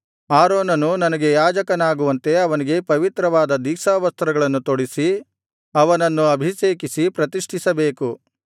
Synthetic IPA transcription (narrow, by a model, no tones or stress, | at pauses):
aːɾoːnɐnunɐnɐɡe̞jaːd͡ʒɐkɐnaːɡuʋɐnt̪e̞ɐʋɐniɡe̞pɐʋit̪ɾɐʋaːd̪ɐd̪iːsaːʋɐst̪ɾɐɡɐɭɐnːut̪oɽisi | ɐʋɐnɐnːuɐbʱiseːkisipɾɐt̪iʂʈʰisɐbe̞ːku